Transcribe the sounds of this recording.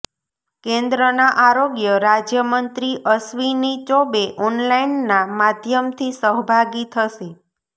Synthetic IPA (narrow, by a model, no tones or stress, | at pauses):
kẽnd̪ɾənaʔaɾoɡjəɾad͡ʒjəmənt̪ɾiʔəsʋinit͡ʃobeʔɔnlainːamad̪ʱjəmt̪ʰisəɦbʱaɡit̪ʰəʃe